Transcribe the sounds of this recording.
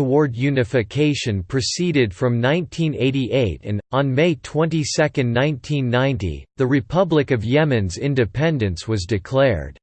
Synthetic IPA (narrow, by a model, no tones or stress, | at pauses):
təwɔɹdjʉnɨfɨkʰeɪʃɨ̃npʰɹ̥ɨsiɾɨd̥fɹʌ̃mnãɪ̃ntʰĩneɪɾiʔeɪɾɨ̃nn̩meɪtʰw̥ɛ̃ntisɛkɨ̃nnãɪ̃ntʰĩnːãɪ̃ntḭðɨɹɨpʰʌblɨkʌvjɛmɨ̃nzɪ̃ndɨpʰɛ̃ndɨ̃nswʌzdɨkʰl̥ɛɹd̥